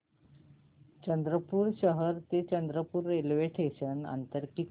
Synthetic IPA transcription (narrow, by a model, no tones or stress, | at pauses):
t͡ɕənd̪ɾəpuːɾɕəɦəɾt̪et͡ɕənd̪ɾəpuːɾːelʋeʈʰeɕəna̰nt̪əɾkit̪